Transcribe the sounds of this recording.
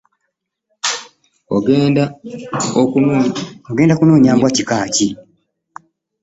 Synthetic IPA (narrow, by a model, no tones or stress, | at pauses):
o̰ɡeːndaokunooɡeːndakunoːɲaːmbwacikaːci